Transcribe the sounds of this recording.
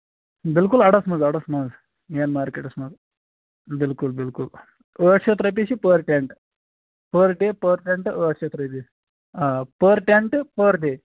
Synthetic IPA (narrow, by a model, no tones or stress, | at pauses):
bilkulɐɽɐsmɐzɐɽɐsmɐd͡z | jenmaːɾkeʈɐsmɐz | bilkulbilkul | əʈt͡ʃʰet̪ɾɐp̬isipəɾʈeɳʈ | pəɾɖepəɾʈeɳʈəʈʰt͡ʃʰɐt̪ɾɐt̪i | apəɾʈeɳʈpəɾɖe